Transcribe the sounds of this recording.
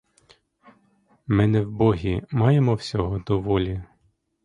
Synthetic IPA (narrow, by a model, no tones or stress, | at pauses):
mɪnɛwbɔɦʲimɑjemɔwsʲɔɦɔd̪ɔʋɔlʲi